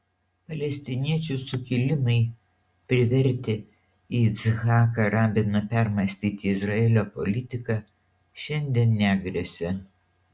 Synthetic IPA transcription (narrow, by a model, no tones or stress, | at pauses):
pɐlʲɛsʲt̪ʲɪnʲiɛt͡ʃʲʊsʊkʲɪlʲɪmɐɪ | pʲɾʲɪʋʲɛɾʲt̪ʲɪ | iːsɣɑːkɐɾɑːbʲɪnɐpʲæɾmɐsʲt̪ʲiːt̪ʲɪːɪzɾɐɛːlʲoːpɔlʲɪt̪ʲɪkɑ | ʃʲɛnʲd̪ʲiɛnːʲæːɡɾʲɛsʲɛ